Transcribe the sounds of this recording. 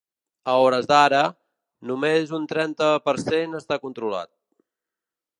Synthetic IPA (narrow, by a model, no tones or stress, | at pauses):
əɔɾəzðaɾə | numezunt̪ɾɛnt̪əpəɾsenəst̪akunt̪ɾula̰t̪̚